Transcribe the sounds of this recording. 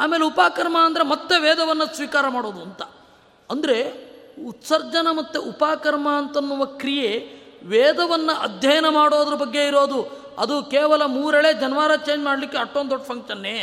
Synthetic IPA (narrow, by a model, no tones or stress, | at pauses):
aːmeːleupaːkɐɾmɐːnd̪ɐɾe̞mɐt̪ːeʋɛːd̪ɐʋɐnːɐsʋiːkaːɾɐmaːɽo̞ːd̪uɐnt̪ɐ̥ | ɐnd̪ɐɾe̞ut̪sɐɾd͡ʒɐnɐmɐt̪ːeʔupaːkɐɾmaːnt̪ɐnːuʋɐkɾijeʋeːd̪ɐʋɐnːɐʔɐd̪ʱjɐjɐnɐmaːɽo̞ːd̪ɐɾɐbɐɡːe̞iɾo̞ːd̪u | ɐ̰d̪ukeːʋɐlɐmuːɾeɭeːd͡ʒɐnɐʋaːɾɐt͡ʃeːɲd͡ʒmaːɽɐlikːeɐʈːond̪oɖpʰɐŋkʃɐnːe̞ː